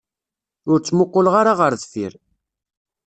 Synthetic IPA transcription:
ʊɾt͡sːmʊqːʊlʁaɾaʁəɾðθḭɾ

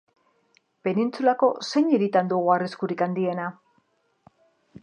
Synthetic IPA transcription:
pe̞nint͡sulako̞se̞ɲeɾit̪and̪uɣuariskuɾikand̪ie̞na

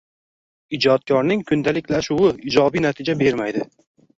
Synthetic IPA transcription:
id͡ʒɒt̪̚kʰɒɾnɪŋkʰʊnd̪alɪkʲʰlaʃʊwɪɪd͡ʒɒbinat̪ʰɪd͡ʒabe̞ɾmajd̪ɪ

